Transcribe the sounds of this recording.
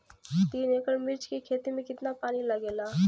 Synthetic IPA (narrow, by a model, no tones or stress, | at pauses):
t̪iːneːkəɽmɪɾt͡ʃkekʰeːt̪imẽkɪt̪napaːnilɐɡeːlaː